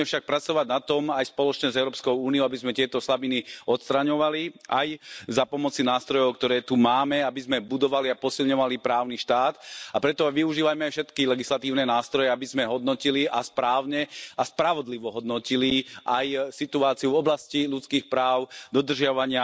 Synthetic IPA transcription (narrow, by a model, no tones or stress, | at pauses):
ɛfʃak̚pɾat͡sɔʋaɟnat̪ɔmajspɔlɔt͡ʃɲɛzɛʊɾɔpskɔʊuːniɔʊabizmɛt̪ɪɛt̪ɔslabiniɔt̪st̪ɾaɲɔʋaliʔa̰jzapɔmɔt͡sinaːst̪ɾɔjɔʊkt̪ɔɾɛːt̪umaːmɛabizmɛbud̪ɔʋaliapɔsilɲɔʋalipɾaːʊniʃt̪aːt̪apɾɛt̪ɔʋiuʒiːʋajmɛajfʃɛt̪kilɛɡislat̪iːʊnɛnaːst̪ɾɔjɛabizmɛɦɔd̪nɔciliʔaspɾaːʊɲɛaspɾaʋɔd̪liʋɔɦɔd̪nɔciliʔajsit̪uaːt͡siuvɔblascilut͡skiːxpɾaːʊd̪ɔd̪r̩ʒɪaʋaɲɪa